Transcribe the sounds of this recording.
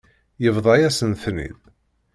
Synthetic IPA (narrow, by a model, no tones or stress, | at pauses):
jəvðˤɑjæsənθnḭð